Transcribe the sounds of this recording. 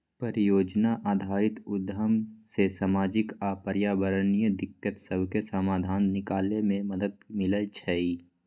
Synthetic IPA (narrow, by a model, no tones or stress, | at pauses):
pəɾɪjoːd͡ʒnaʔaːd̪ʱaːɾɪt̪ʊd̪ʱːəmsesaːmaːd͡ʒɪkaːpəɾjaːʋəɾənijəd̪ɪkːət̪səbʱkesamaːd̪ʱaːnːɪkaːlemẽməd̪əd̪mɪlət͡ʃʰəi